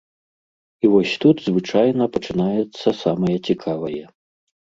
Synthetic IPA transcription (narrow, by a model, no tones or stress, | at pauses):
ivɔsʲt̪ud̪zvɨt͡ʂajnɐpɐt͡ʂɨnajɛt̪sːɐsamɐjɐt͡sʲikʰavɐjɛ